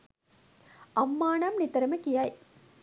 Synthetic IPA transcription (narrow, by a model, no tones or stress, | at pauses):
ɐmːaːnamnit̪əɾəməkijaj